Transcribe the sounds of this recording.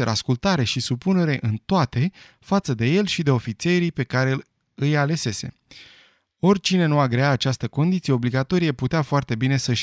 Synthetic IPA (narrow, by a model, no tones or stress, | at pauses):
eɾa̰skult̪aɾe̞ʃisupune̞ɾe̞ʔɨnt̪oat̪e̞ | fat̪səd̪e̞je̞lʃid̪e̞o̞fit̪sie̞ɾipe̞kaɾe̞l | ɨjale̞se̞se̞̰ | o̞rʲt͡ʃine̞nuaɡɾe̞aːt͡ʃast̪əko̞nd̪it̪sije̞o̞bliɡat̪o̞ɾijeput̪eafoart̪e̞bine̞səʃ